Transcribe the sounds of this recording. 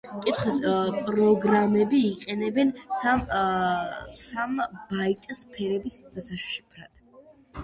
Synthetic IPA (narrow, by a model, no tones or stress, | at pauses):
kʼit̪ʰχwɛspʼɾɔɡɾamɛbiːqʼɛnɛbɛna | sambait̪ʼspʰɛɾɛbisd̪̥asaʃʃipʰɾa̰d̪̥